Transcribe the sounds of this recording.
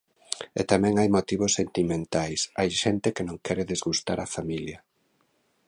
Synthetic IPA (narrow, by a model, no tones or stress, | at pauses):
ḛt̪amɛ̃ŋajmot̪iβ̞osːent̪imẽnt̪ajsajʃɛnt̪ekenõŋkʰɛɾeðezɣust̪aɾafamiljɐ